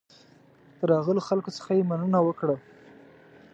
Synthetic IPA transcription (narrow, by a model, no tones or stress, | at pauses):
d̪əɾɑɣəloxalkosə̥xajemanənawəkɽə